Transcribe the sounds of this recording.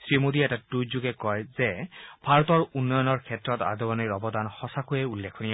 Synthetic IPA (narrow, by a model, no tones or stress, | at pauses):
sɹimod̪iɛtatujzuɡɛkɔjzɛbʱaɹɔtɔɹunːɔjɔnɔɹkʰɛtɹɔta̰dɔbɔniɹɔbɔdanxɔsakojɛulːekʰɔnija